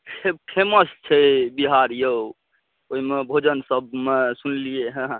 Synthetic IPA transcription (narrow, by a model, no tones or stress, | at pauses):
pʰebpʰeməst͡ʃʰɛbiɦaɾjo | oɦimebʱod͡ʒənsəb̚mesunlijeɦə̃ɦ